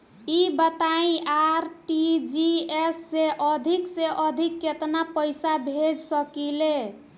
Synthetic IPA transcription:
ibət̪aĩaɾʈid͡ʒiesːeʔəd̪ʱikseʔəd̪ʱikːet̪napəɪsabʱed͡ʒsəkile

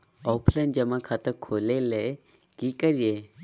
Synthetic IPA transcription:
ɔpʰlənd͡ʒəmãkʰaːt̪əɾkʰoːlele | kikəɾie

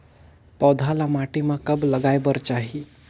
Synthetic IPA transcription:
pɔd̪ʱalamaʈimãkəbləɡajbəɾt͡ʃaɦi

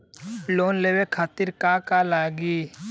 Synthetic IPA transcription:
loːnleːwekʰaːt̪ɪɾkaːkalaːɡiː

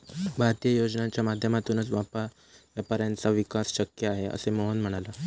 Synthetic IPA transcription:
bʱaɾt̪ijəjod͡ʑnãt͡ɕjamad̪ʱjəmat̪uːnət͡sʋapa | japaɾjant͡saʋikasɕəkjəaɦeə̰semoɦonm̤əɽ̃ala

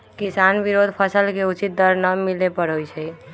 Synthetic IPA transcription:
kisanbiɾod̪ʱpʰəsəlkeut͡ʃit̪̚d̪əɾnəmilepəɾɦojt͡ʃʰɛ

